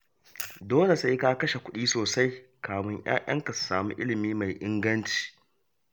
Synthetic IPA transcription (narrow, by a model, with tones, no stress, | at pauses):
doː˦le˨sa˦jkaː˦kɐ˦ʃe˨kʷʊ˦ɗiː˦soː˨sa˦jkaː˨mɪ˦ɲj̰a̰ː˦j̰ɐ̰˦ŋkɐ˨ssaː˨mṵ˦ʔɪ̰˦lɪ˨miː˦ma˨jʔɪ˦ŋɡɐ˦nt͡ʃi̥ː˨